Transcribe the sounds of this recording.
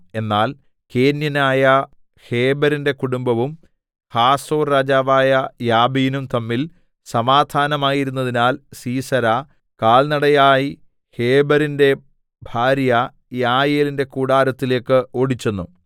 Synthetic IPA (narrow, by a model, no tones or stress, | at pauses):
e̞nːaːl | keːnjɐnaːjɐ | he̞ːbɐɾinde̞kuɽumbɐʋum | haːsoːrːaːd͡ʑaːʋaːjɐjaːbijnumt̪ɐmːil | sɐmaːd̪ʱʰaːnɐmaːjiɾunːɐðinaːlsiːsɐɾɐ | kaːɭnɐɽɐjaːji | he̞ːbɐɾinde̞ | bʱaːɾjɐ | jaːjeːlinde̞kuːɽaːɾɐt̪ːile̞ːkːɨo̞ːɽit͡ɕːenːṵ